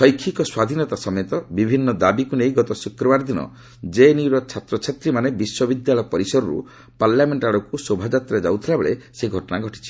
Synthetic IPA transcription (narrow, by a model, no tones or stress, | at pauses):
sɔjkʰːikɔswad̪ʱinɔt̪asɔmet̪ɔbibʱinːɔd̪abikunejɡɔt̪ɔsukɾɔbaɾd̪inɔ̰ | d͡ʒeniɾɔt͡ʃʰat̪ɾɔt͡ʃʰat̪ɾimanebiswɔbid̪jalɔjɔpɔɾisɔɾɔɾṵ | paɾlameɳʈaɽɔkusobʱad͡ʒat̪ɾed͡ʒa̰wt̪ʰilabeɭeseɡʱɔʈɔnaɡʱɔʈi̥t͡ʃʰi̥